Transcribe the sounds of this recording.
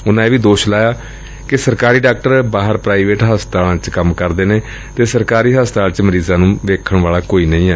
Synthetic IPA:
ʊnãːeːʋiːd̪oːʃlaːjaː | kɪsəɾkaːɾiːɖaːk̚ʈəɾbaːɦəɾpɾaːiʋeːʈɦaːst̪aːlãːt͡ʃkəmkəɾd̪eːneː | t̪eːsəɾkaːɾiːɦaːst̪aːlt͡ʃməɾiːzãːnũːʋeːkʰəɳʋaːlaːkoːiːnə̃ĩːɦɛː

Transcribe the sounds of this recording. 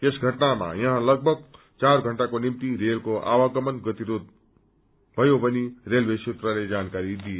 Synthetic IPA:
esɡʱʌʈnama̰jʌɦãlʌɡ̚bʱʌɡ̚ | t͡sarɡʱʌɳʈakonimt̪iɾelkoʔa̰waɡʌmʌnɡʌt̪iɾod̪̚ | bʱʌjobʌnirelweset̪raled͡zankaɾid̪ije

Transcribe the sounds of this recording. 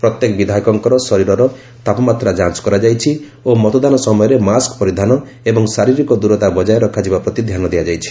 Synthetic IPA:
pɾɔt̪jekɔbid̪ʱaikɔŋkɔɾɔsɔɾiɾɔɾɔ | t̪apɔmat̪ɾad͡ʒant͡ʃɔ̥kɔɾad͡ʒajt͡ʃʰi | omɔt̪ɔd̪anɔsɔmɔjɔɾemaskɔpɔɾid̪ʱanɔ | ebɔŋsaɾiɾikɔd̪uɾɔt̪abɔd͡ʒajɔɾɔkʰːad͡ʒibapɾɔt̪id̪ʱjanɔd̪ejad͡ʒajt͡ʃʰi̥

